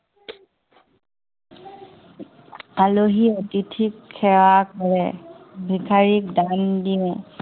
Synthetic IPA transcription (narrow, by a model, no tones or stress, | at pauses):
aloɦiotitʰikʰːɛwakɔɹɛ̰ | bʱikʰaɹik̚dandiɛ̃